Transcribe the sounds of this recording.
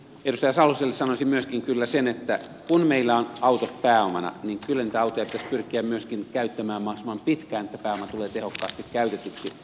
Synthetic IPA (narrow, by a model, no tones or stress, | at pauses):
edust̪ɑjɑsɑlhuselːessɑnosimyøskiŋkylːæsenet̪ːæ | kunmeilːæonʔɑut̪ot̪pæːomɑ̰nɑ̰niŋkylːæniːt̪æɑut̪ojɑpi̥t̪æsʲpyrkˑiæmmyøskinkæyt̪ːæmæːmmɑhsimɑmpit̪kæːnet̪ːæpæːomɑt̪uleːt̪ehokːɑːst̪ikkæyt̪et̪yksi